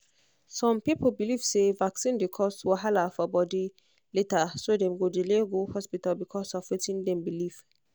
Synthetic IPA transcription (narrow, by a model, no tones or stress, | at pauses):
sɔ̃mpiplbiliv̥sevaksĩndekʰɔstwaɦalafɔbɔdi | letasodɛ̃mɡodileɡohɔspitalbikʰɔsɔfwetĩndɛ̃mbiliv̥